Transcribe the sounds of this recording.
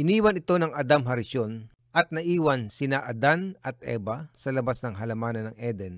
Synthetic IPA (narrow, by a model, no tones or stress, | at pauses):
ʔɪniːwɐnɪt̪o̞nɐŋɐd̪amɦɐɾɪʃo̞n | ʔɐt̪̚nɐʔiːwɐnsɪnaʔɐd̪anɐt̪̚ʔɛ̰ːbɐsɐlɐbasnɐŋɦɐlɐmaːnɐnːɐŋʔɛd̪ɛn